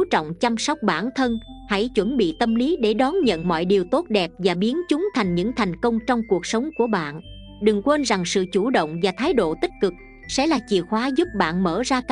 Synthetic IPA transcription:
t͡ɕɔ̰˧˨wŋ͡mt͡ɕa˧msɔ˦˥wk͡p̚ɓaː˧˩nt̪ʰə˧nha̰˧˥˩jt͡ɕwə˧˩nɓḭ˧˨t̪ə˧mli˨˦ɗe˧˩ɗɔ˨˦nɲə̰˧˨nmɔ̰˧˨jɗi˨˩əwt̪o˦˥t̚ɗɛ˨˩p̚vaː˨˩ɓi˨˦ənt͡ɕʊ˨˦ŋ͡mt̪ʰa˨˩jŋ̟ɲɨ̰˧˥ŋt̪ʰa˨˩jŋ̟kə˧wŋ͡mt͡ɕɔ˧wŋ͡mku˨˩ək̚sə˨˦wŋ͡mku˧˩əɓa̰ː˧˨n | ɗɨ˨˩ŋkwe˧nza˨˩ŋsɨ̰˧˨t͡ɕu˧˩ɗə̰˧˨wŋ͡mvaː˨˩t̪ʰaː˨˦jɗo̰˧˨t̪ï˦˥k̚kɨ˨˩k̚ | sɛ̰˧˥laː˨˩t͡ɕḭ˧˨əxwaː˨˦zu˦˥p̚ɓa̰ː˧˨nmə̰ː˧˩zaː˧kː

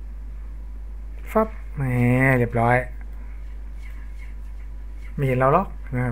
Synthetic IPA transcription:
fa˦˥p̚ | mɛː˧˩le˧˩p̚ɾɔː˦˥j | ma˥˩˨he˨˦nɾa˧wlɔ˦˥k̚na˧˥kʰa˧˩

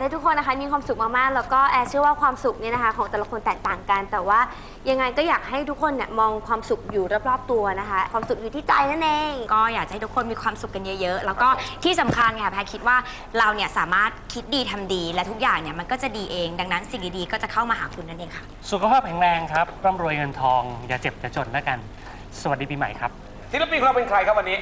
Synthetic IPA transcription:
a˥˩t̪ʰu˦˥kʰːo˧nːa˦˥kʰa˦˥miː˧kʰwaː˧msu˨k̚maː˥˩k̚maː˥˩k̚lɛː˦˥wkɔː˥˩ʔɛː˨˩t͡ɕʰɯ˥˩ɐwaː˥˩kʰwaː˧msu˨˩k̚ni˥˩na˦˥kʰa˦˥kʰɔː˩˦ŋt̪ɛ˨˩la˧kʰo˧nt̪ɛː˨˩k̚t̪aː˨˩ŋka˧nt̪ɛː˨˩waː˥˩ | ja˧ŋːa˧jkɔː˥˩jaː˨˩k̚ha˥˩jt̪ʰu˦˥kʰo˧nːi˥˩ɐmɔː˧ŋkʰwaː˧msu˨˩k̚juː˨˩ɾa˦˥˩p̚ɾɔː˥˩p̚t̪u˧ɐna˦˥kʰa˦˥kʰwaː˧msu˨˩k̚juː˨˩iː˥˩t͡ɕa˧jna˥nʔeː˧ŋkɔː˥˩jaː˨˩k̚t͡ɕa˨ha˥˩jt̪u˦˥kʰo˧nmiː˧kʰwaː˧msu˨˩kːa˧njɤ˦˥jɤ˦˥ʔlɛː˦˥wkɔː˥˩t̪ʰiː˥˩sa˨˩˦mkʰa˧nkʰa˧˩pʰɛː˧kʰi˦˥t̪̚waː˥˩ | ɾa˧wni˥˩ɐsaː˩˦maː˥˩t̪̚kʰi˦˥t̪̚diː˧t̪ʰa˧mdiː˧lɛ˦˥t̪ʰu˦˥k̚jaː˨˩ŋni˦˥˩ma˧nkɔː˥˩t͡ɕa˨˩diː˧ʔeː˧ŋda˧ŋna˦˥nsi˨˩ŋt̪iː˦˥diː˧kɔː˥˩t͡ɕa˨˩kʰa˥˩wmaː˧ɦaː˩˦kʰu˧nːa˦˥˩nʔeː˧˩ŋkʰa˥˩ʔsu˨˩kʰa˧pʰaː˥˩p̚kʰɛ˨˩˦ŋlɛː˧ŋkʰɾa˦˥p̚ɾɔː˥˩mɾu˧əjŋɤ˧nt̪ʰɔː˧ŋjaː˨˩t͡ɕe˨˩p̚t͡ɕa˨˩t͡ɕo˨˩nla˦˥˩ka˧n | sa˨wa˨˩diː˧piː˧ma̰˨˩˦jkʰɾa˦˥p̚ | si˦˥la˦˥pi˧ka˧pe˧nkʰɾa˧jkʰa˦˥p̚wa˧nːiː˦˥

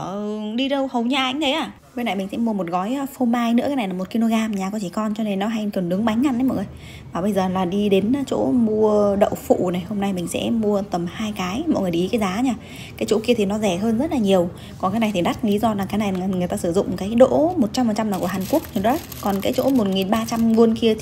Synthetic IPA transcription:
ɗi˧ɗə˧whə˨˩wɲaː˧ʔa̰˨˧˦jŋ̟t̪ʰə˨˦jʔaː˧˩ | ɓe˧na˨˩jm̟˨˩sɛ̰˧˥mu˧əmo˨˩t̚ɣɔ˨˦jfo˧maː˧jnɨ̰˧˥kːa˨˦jna˨˩lːa˨˩o˨˩t̚ki˧no˧ɣaː˧mɲaː˨˩kɔ˨˦t͡ɕi˧˩kɔ˧nt͡ɕɔ˧ne˧nːɔ˨˦ɦa˧jkə˨˩nɗɨ˨˦ŋɓa˨˦jŋ̟ŋa˧˩nʔə˨˦jmɔ̰˧˨jŋɨ˨ə˨j | maː˨˩ɓə˧jzəː˨˩laː˨˩ɗi˧ɗe˨˦nː˨˦t͡ɕo̰˧˥mu˧əɗə̰˧˨wfṵ˧˨na˨˩jho˧mna˧jmï˨˩ŋ̟sɛ̰˧˥mu˧ət̪ə˨˩mhaː˧jkaː˨˦jmɔ̰˧˨jŋɨ˨˩ə˩jʔi˨˦kaː˨˦jzaː˨˦ɲaː˧˩ | kaː˨˦jt͡ɕo̰˧˥ki˧ət̪ʰi˨˩nɔ˨˦zɛ˧˩ɦəː˧nzə˦˥t̚laː˨˩ɲi˨˩əw | kɔ˨˩nkaː˨˦jna˨˩jt̪ʰi˨˩ɗa˦˥k̚li˨˦zɔ˧laː˨˩ŋkaː˨˦jna˨˩˨ŋɨ˨˩əjt̪aː˧sɨ˧˩zʊ̰˧˨ŋ͡mkaː˨˦jɗo̰˧˥mo˨˩t̚t͡ɕa˧mfə˨˩t͡ɕa˧mnːa˨wku˧˩ɦaː˨˩nku˦˥ək̚ɲɨ˧˩ə˨˦ | kɔ˨˩nkaː˨˦jt͡ɕo̰˧˥mo˨˩t̚ŋi˨˩nɓaː˧t͡ɕa˧mvu˧ənki˧ət̪ʰ

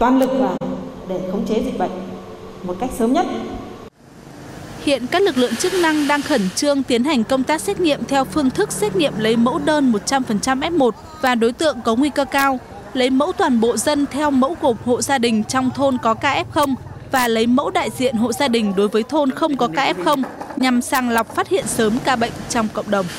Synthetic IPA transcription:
t̪waː˧nlɨ˨˩k̚vaː˨˩ɗe˧˩xə˨˧wŋ͡mt͡ɕe˨˦zi˨˩k̟̚ɓa̰˧˨jŋ̟̚mo˨˩t̚ka˦˥jk̚səː˨˦mɲə˦˥t̚ | hḭ˧˨ənkaː˦˥k̚lɨ˨˩k̚lɨ̰˧˨əŋt͡ɕɨ˦˥k̚na˧ŋɗaː˧ŋxə˧˩nt͡ɕɨ˧əŋt̪i˨˦ənɦa˨˩jŋ̟kə˧wŋ͡mt̪aː˦˥k̚sɛ˦˥t̚ŋḭ˧˨əmt̪ʰɛ˧wfɨ˧əŋt̪ʰɨ˦˥k̚sɛ˦˥t̚ŋḭ˧˨əmlə˨˦jmə̰˧˥wɗəː˧nmo˨˩t̚t͡ɕa˧mfə˨˩nt͡ɕa˧mʔɛ˦˥p̚mo˨˩t̚ | vaː˨˩ɗo˨˦jt̪ɨ̰˧˨əŋkɔ˨˦ŋwi˧kəː˧kaː˧w | lə˨˦jmə̰˧˥wt̪waː˨˩nɓo̰˧˨zə˧nt̪ʰɛ˧wmə̰˧˥wɣo˨˩p̚ho̰˧˨zaː˧ɗï˨˩ŋ̟t͡ɕɔ˧wŋ͡mt̪ʰo˧nkɔ˨˦kaː˧ʔɛ˦˥p̚xə˧wŋ͡m | vaː˨˩lə˨˦jmə̰˧˥wɗa̰ː˧˨jzḭ˧˨ənɦo̰˧˨zaː˧ɗï˨˩ŋ̟ɗo˨˦jvəː˨˦jt̪ʰo˧nxə˧wŋ͡mkɔ˨˦kaː˧ʔɛ˦˥p̚xə˧wŋ͡mɲa˨˩msaː˧˩ŋla˨˩wk͡p̚faː˦˥t̚hḭ˧˨ənsəː˨˦mkaː˧ɓə̰˧˨jŋ̟t͡ɕɔ˧wŋ͡mkə̰˧˨ŋ͡mɗə˨˩wŋ͡m

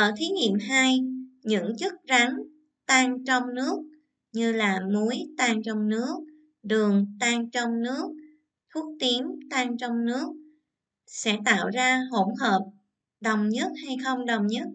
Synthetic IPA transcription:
ʔəː˧˩t̪ʰi˨˦ɲḭ˧˨əmɦaː˧jɲɨ̰˧˥ŋt͡ɕɨ˦˥t̚ɣa˨˦ŋ | t̪aː˧ŋt͡ɕɔ˧wŋ͡mnɨ˦˥ək̚ | ɲɨ˧laː˨˩mu˨˦əjt̪aː˧ŋt͡ɕɔ˧wŋ͡mnɨ˦˥ək̚ | ɗɨ˨˩əŋt̪aː˧ŋt͡ɕɔ˧wŋ͡mnɨ˦˥ək̚ | t̪ʰu˦˥ək̚t̪i˨˦əŋt̪aː˧ŋt͡ɕɔ˧wŋ͡mnɨ˦˥ək̚ | sɛ̰˧˥t̪a̰ː˧˨wzaː˧ɦo˧˩həː˨˩p̚ | ɗə˨˩wŋ͡mɲə˦˥t̚ha˧jxə˧wŋ͡mɗə˨˩wŋ͡mɲə˦˥t̚

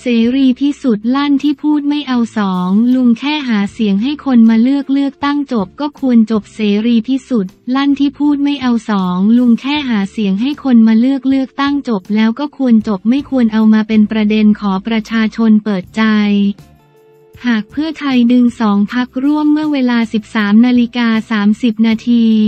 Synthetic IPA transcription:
seː˩˦ɾiː˧t̪ʰiː˥˩su˨˩t̪̚la˥˩nt̪ʰiː˥˩pʰuː˥˩t̪̚ma˥˩jʔa˧wsɔː˩˦ŋlu˧ŋkʰɛː˥˩ɦaː˩˦si˨˩˦əŋɦa˥˩jkʰo˧nmaː˧lɯ˥˩ək̚lɯ˥˩ək̚t̪a˥˩ŋt͡ɕo˨˩p̚kɔː˥˩kʰu˧ənt͡ɕo˨˩p̚seː˩˦ɾiː˧t̪ʰiː˥˩su˨˩t̪̚la˥˩nt̪ʰiː˥˩pʰuː˥˩t̪̚ma˥˩jʔa˧wsɔː˩˦ŋlu˧ŋkʰɛː˥˩ɦaː˩˦si˨˩˦əŋɦa˥˩jkʰo˧nmaː˧lɯ˥˩ək̚lɯ˥˩ək̚t̪a˥˩ŋt͡ɕo˨˩p̚lɛː˦˥wkɔː˥˩kʰu˧ənt͡ɕo˨˩p̚ma˥˩jkʰu˧ənʔa˧wmaː˧pe˧npɾa˧de˧nkʰɔː˩˦pɾa˧t͡ɕʰaː˧t͡ɕʰo˧npɤː˨˩t̪̚t͡ɕa˧j | haː˨˩k̚pʰɯ˥˩ət̪ʰa˧jdɯ˧ŋsɔː˩˦ŋpʰa˦˥k̚ɾu˥˩əmːɯ˥˩əweː˧laː˧si˨˩p̚saː˩˦mnaː˧li˦˥kaː˧saː˩˦msi˨˩p̚naː˧t̪ʰiː˧

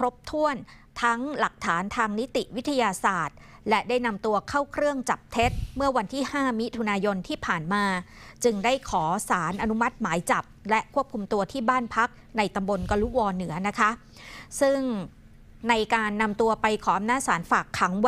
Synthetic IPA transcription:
kʰɾo˦˥p̚t̪ʰu˥˩ən | t̪ʰa˦˥ŋla˨˩k̚t̪ʰaː˩˦nt̪ʰaː˧ŋni˦˥t̪i˨˩ʔwi˦˥t̪ʰa˧jaː˧saː˨˩t̪̚ | lɛ˦˥daː˥˩jna˧mt̪u˧ɐkʰa˥˩wkʰɾɯ˥˩əŋt͡ɕa˨˩p̚t̪ʰe˦˥t̪̚mɯ˥˩ɐwa˧nt̪ʰiː˥˩haː˥˩mi˦˥t̪ʰu˧naː˧jo˧nt̪ʰiː˥˩pʰaː˨˩nmaː˧ | t͡ɕɯ˧ŋdaː˥˩jkʰɔː˩˦saː˩˦nʔa˧nu˦˥ma˦˥t̪̚maː˩˦jt͡ɕa˨˩p̚lɛ˦˥kʰu˥˩əp̚kʰu˧mt̪u˧ɐt̪ʰiː˥˩baː˥˩npʰa˦˥k̚na˧jt̪a˧mbo˧nka˧lu˦˥wɔː˧nɯ˩˦ɐna˦˥kʰa˦˥ | sɯ˥˩ŋ | na˧jkaː˧nːa˧mt̪u˧ɐpa˧jkʰɔː˩˦ʔa˧mnaː˥˩saː˩˦nfaː˨˩kʰːa˩˦ŋ

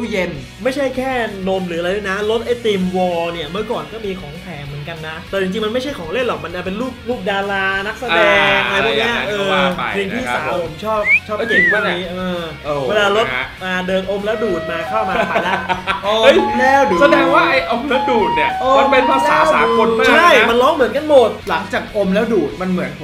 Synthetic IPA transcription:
je˧n | ma˥˩jt͡ɕʰa˥˩jkʰɛː˥˩no˧mɾɯː˩˦˧la˧jlɯ˦˥˩na˦˥lo˦˥t̪̚ʔa˧˩jt̪iː˧mwɔː˧ni˥˩ɐmɯ˥˩ɐkɔː˨˩nkɔː˥˩miː˧kʰɔː˨˩˦ŋp̪ʰɛː˨˩˦mɯː˩˦nka˧nːa˦˥t̪ɛː˨˩t͡ɕi˧ŋt͡ɕi˧ŋma˧nma˥˩jt͡ɕʰa˥˩jkʰɔː˩˦ŋle˥˩nlɔ˨˩k̚ma˧nʔa˧˩p̬e˧nluː˥˩p̚luː˥˩p̚daː˧laː˧na˦˥k̚sa˧dɛː˧a˧jpʰːk̚ni˦˥ɐʔɤː˧ɾi˧ŋʰiː˧˥˩saː˨˦pʰo˨˩˦mt͡ɕʰɔː˥˩p̚t͡ɕʰɔː˥˩˥t̪i˧ŋʰaː˥˩iː˦˥ʔɤː˧ | we˧laː˧lo˦˥t̪̚maː˧dɤː˧nʔo˧mlɛː˦˥wduː˨˩t̪̚maː˧kʰaː˥˩maː˧˩kaː˨˧˩la˦˥ʔoː˧ɤ˦˥˩jɛː˧˩wduː˨˩sa˧nɛː˨˦waː˥˩ʔa˧jʔo˧mlɛː˦˥wduː˨˩t̪̚ni˧˩ɐʔoː˧a˧npe˧npʰaː˧saː˨˦˥waː˩˦˨ko˧naːt͡ɕːʰa˥˩jma˧nlɔː˦˥mɯ˩˦nka˧nmo˨˩t̪̚la˩˦ŋt͡ɕaː˨˩k̚ʔo˧mlɛː˦˥wduː˨˩t̪̚ma˧nmɯ˩˦ən

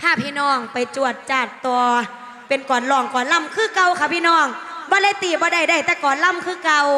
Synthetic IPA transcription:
t̪ʰaː˧˥˩pʰiː˧˨nɔː˧˥˩ŋpa˨jt͡ɕu˧˩ət̪̚t͡ɕaː˨˩t̪̚t̪u˧ | pe˨nkɔː˨˩˦nlɔː˨˩ŋkɔː˨˦nla˧˥˩mkʰɯː˧˥˨ka˧wkʰa˧˩pʰiː˧˨nɔː˧˩ŋbɔː˧˦la˧˥˨jt̪iː˨˩bɔː˧˦da˧˩jda˧˩˨jt̪ɛː˧˩kɔː˨˦nla˧˥˨mkʰɯː˧˥˨ka˧w

